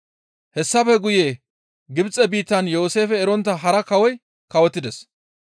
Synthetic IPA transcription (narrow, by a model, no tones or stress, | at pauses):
hɛsːɐfɛɡʊjeː | ɡɪbt͡sʼɛbiːt̪ːɐnjoːse̞ːfɛːɾɔnt̪ːɐɦɐɾɐkɐwɔj | kɐwɔt̪ːɪd̪ɛs